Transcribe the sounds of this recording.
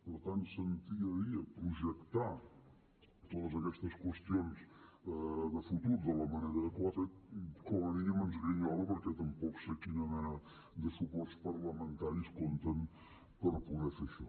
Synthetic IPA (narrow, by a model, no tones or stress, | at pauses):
pəɾt̪ant̪sənt̪iəɾiəpɾuʒəkt̪a | t̪ot̪əzəkɛst̪əskwəst̪ions | ðəfut̪uɾðələməneɾəðəkwat̪ekoləniəmənzɣɾəɲɔləpəɾkɛt̪əmpɔksekinəmɛnə | ðəsupɔrspəɾləmənt̪aɾiskont̪ən | pəɾpuðɛfeʃɔ